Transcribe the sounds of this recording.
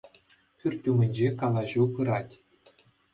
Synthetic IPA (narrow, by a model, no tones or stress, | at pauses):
pʲyrʲt̪ʲːumʲɘ̆nʲd͡ʑekɑlˠɑʑupɯɾɑtʲ